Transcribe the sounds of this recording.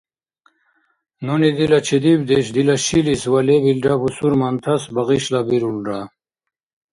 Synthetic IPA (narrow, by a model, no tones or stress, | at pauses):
nunid̪ilat͡ʃʰid̪ibd̪eɕd̪ilaɕiliswalebilɖapusuɾmant̪ʰasbaʁiɕlabiɾulɖa